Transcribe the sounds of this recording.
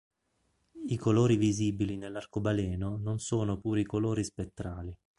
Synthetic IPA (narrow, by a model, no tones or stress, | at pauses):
ikoloːɾiviziːbilinelːarkobalɛːnononsoːnopuːɾikoloːɾispet̪ːɾaːli